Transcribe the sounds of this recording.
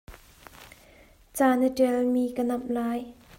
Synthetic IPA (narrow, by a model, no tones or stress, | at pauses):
t͡saːnəʈɛlmiːkənɐmlaːj